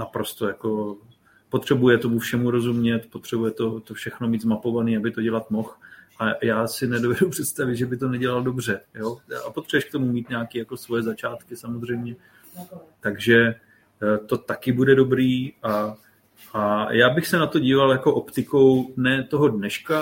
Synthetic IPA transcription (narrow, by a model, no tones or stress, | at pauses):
napɾo̞st̪o̞jako̞ | pot̪r̥ɛbujɛt̪o̞mufʃɛmuɾo̞zumɲɛt̪po̞t̪r̥ɛbujɛt̪o̞t̪ofʃɛxno̞miːd̪zmapo̞vaniːabɪt̪o̞ɟɛlat̪mo̞xʔajaːsɪnɛdo̞vɛdupr̝̥ɛt̪st̪avɪt̪ʒɛbɪt̪o̞nɛɟɛlaldo̞br̝ɛjoːapo̞t̪r̥ɛbɛʃkt̪o̞mumiːt̪ɲaːkiːjako̞svo̞jɛzat͡ʃaːt̪kɪsamozr̝ɛjmɲɛ | t̪aɡʒɛ | t̪o̞t̪akɪbudɛdo̞bɾiːʔa | ʔajaːbɪxsɛnat̪o̞ɟiːvaljakoʔopt̪ɪko̞wnɛːt̪o̞ɦo̞dnɛʃka